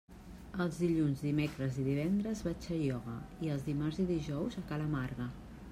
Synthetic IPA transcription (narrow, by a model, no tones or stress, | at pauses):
əlˠzðiʎunzðimekɾəziðiβ̞ɛnd̪ɾəzβat͡ʃəjɔɣə̰iəlˠzðimarziðiʒɔwzəkaləmaɾɣə